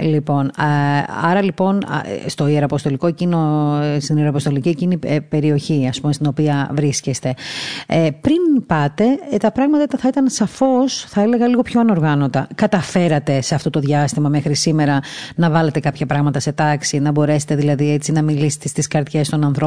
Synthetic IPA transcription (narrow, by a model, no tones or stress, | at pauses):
lipo̞n | ɐ̰ɾɐlipo̞n̰st̪o̞ieɾɐpo̞st̪o̞likoecinost̪inieɾoɐpot̪o̞licie̞cinipe̞ɾio̞çiɐspume̞st̪ino̞piɐvɾiscest̪e̞ | pɾinpɐt̪e̞t̪ɐpɾɐɣmɐt̪ɐit̪ɐθɐit̪ɐnsɐfo̞sθɐele̞ɣɐliɣo̞pço̞ɐno̞ɾɣɐno̞t̪ɐkɐt̪ɐfeɾɐt̪e̞seɐft̪o̞t̪o̞ðʝɐst̪imɐmexɾisime̞ɾɐnɐvɐle̞t̪e̞kɐpçɐpɾɐɣmɐt̪ɐse̞t̪ɐksinɐbo̞ɾe̞set̪e̞ðilɐðiet͡sinɐmilise̥t̪est̪iskɐɾt̪çe̞st̪o̞nɐnθɾo